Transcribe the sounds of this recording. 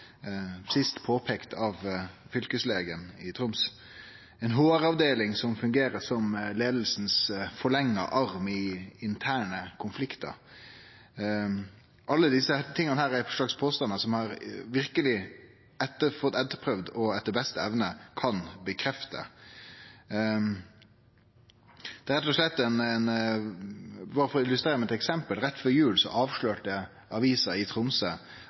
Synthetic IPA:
sɪst̪pʰoːpʰɛːkt̪ʰɑʋfʏlkəsleːɡənɪt̪ʰɾʊms | ɛɪnɦoːɾɑʋd̪eːlɪŋsɔmfʉŋɡeːɾəsɔmleːd̪l̩snsfɔɭɛŋːə̰ʔɑʁmɪɪnt̪ʰæːɳəkʰʊnflɪkt̪ə̰ɾ | ʔɑlːəd̪ɪsət̪ʰɪŋːəɑnəhæːɾæɾʂlɑkspʰoːst̪ɑnəsɔmhɑɾʋɪɾkəlɪ | ɛt̪ːəfɔt̪ːɛt̪ːəpʰɾœʋd̪ɔɛt̪ːəbɛst̪əɛʋnəkʰɑnbəkʰɾɛft̪ə̰ | d̪ɛæɾɛt̪ːɔʂɭɛt̪ːɛnɛn | bɑːɾəfɔɾɔɪlʉst̪ɾeːɾmɛt̪ɛksɛmpəlɾɛt̪ːfɔɾjʉːlsɔ̰ʔɑːʋʂɭøːʈə | ɑʋiːsəɾɪt̪ʰɾʊmsə

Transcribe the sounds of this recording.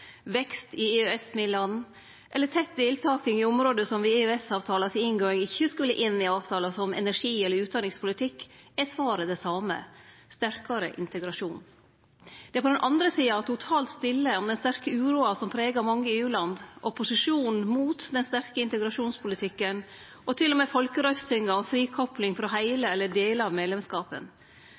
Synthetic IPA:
ʋɛkst̪ɪeøɛsmɪlɑnː | ʔɛlːət̪ʰɛt̪̚d̪eːlt̪ʰɑːkɪŋɪɔmɾoːd̪əsɔmʋɪeøɛsɑːʋt̪ʰɑːlɑsɪɪŋɡoːɪŋɪçːəskʉlːə̰ʔɪnːɪɑːʋt̪ʰɑːlɑsɔmɛ̰næʂiːɛlːəɾʉːt̪d̪ɑnːɪŋspʰʊlɪt̪ʰɪkːɛsʋɑːɾəd̪ɛsɑːmə̰st̪æɾkɑɾə̰ʔɪ̰nt̪əɡɾɑʂuːnn | d̪̥ɛæɾpʰɔd̪ɛnʔɑnd̪ɾəsiːɑt̪ʰʊt̪ʰɑːlt̪st̪ɪlːəɔmd̪ɛnst̪æɾkəʉːɾuːɑsɔmpʰɾeːɡɑɾmɑŋːəʉːlɑnd̪ʔɔpʊsɪʂuːnn̩muːt̪d̪ɛnst̪æɾkəɪnt̪əɡɾɑʂuːnspʰʊlɪt̪ʰɪkːən | ʔɔt̪ʰɪlːɔmeːfɔlkəɾœʏst̪ʰʏŋːɑɔmfɾiːkʰɔplɪŋfɾɔɦæɪləɛlːəɖeːləɑʋmeːd̪lɛmskɑːpə̰n

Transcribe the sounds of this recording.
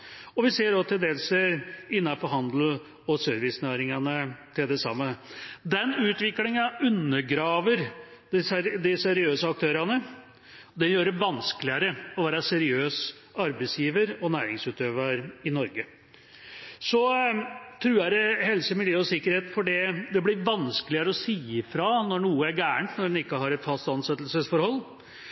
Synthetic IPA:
ɔʋɪseːɖɔt̪ʰɪld̪eːlsəɪnːɑpʰɔɦɑnd̪l̩ | ɔsøːɾʋɪsnæːɾɪŋɑnət̪ʰɪld̪ɛsɑ̰mːəd̪ɛnʉːt̪ʋɪklɪŋɑʉnːəɾɡɾɑːʋəɾd̪d̪ɪsɛɾɪøːsəɑk̚t̪ʰøːɾɑnə | d̪ɛnjøːɾəʋɑnskəlɪɑɾəɔʋæːɾɑsɛɾɪøːs | ɑɾbɛɪsjiːʋəɾɔnæːɾɪŋsʉːt̪øːʋɑɾɪnɔɾɡə | sɔ | t̪ʰɾʉːæd̪ɛhɛlsəmɪljøːɔsɪkːəɾheːt̪fɔɖɛd̪ɛblɪʋɑnskəlɪəɾəɔsiːɪfɾɑnɔɳuːəæɾɡæːɳt̪nɔɖɛnɪkːəɦɑɾɛt̪fɑst̪ɑnsɛt̪lsəsfɔɾhɔlː

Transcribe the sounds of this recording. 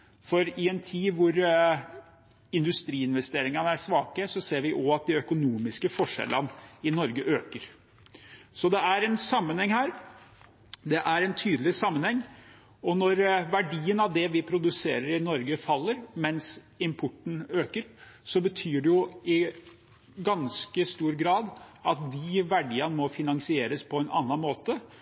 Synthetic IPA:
fɔɾɪɛnt̪ʰiːʋʊɾ | ɪnd̪ʉst̪ɾiːɪnʋɛst̪eːɾɪŋɑnəæʂʋɑːkəsɔseːɾʋɪʔɔɑt̪̚d̪ɪœkʊnuːmɪskəfɔʂɛ̰lənɪnɔɾɡəʔøːkəɾ | sɔd̪ɛæɾɛnsɑmːənhɛŋhæːɾ | d̪ɛʔæɾɛnt̪ʰyːd̪əlɪsɑmːənhɛŋː | ɔnɔɾʋæɖiːənɑʋd̪ɛʋɪpʰɾʊd̪ʉseːɾəɾɪnɔɾɡəfɑlːəɾmɛns | ɪmpʰʊʈːɳ̩øːkəɾsɔbət̪ʰyːɖɛjʊɪ | ɡɑnskəst̪uːɾɡɾɑːd̪ɑt̪̚d̪ɪʋæɖiːɑnəmɔfɪnɑŋsɪeːɾəspʰɔɛnʔɑ̰nːɑnmoːt̪ə

